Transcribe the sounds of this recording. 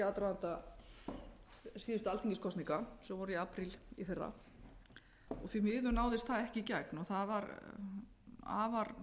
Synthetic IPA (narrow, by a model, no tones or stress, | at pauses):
aːt̪ɾaðant̪a | siːðʏst̪ʏalt̪ʰiŋcɪskʰɔst̪niŋkasɛmvɔɾʏiaːpɾiliθera̰ | ɔ̰ɣθvimɪːðʏnaːwðɪst̪θaðɛhcɪcɛknɔθaðvaɾ | a̰ːvaɾ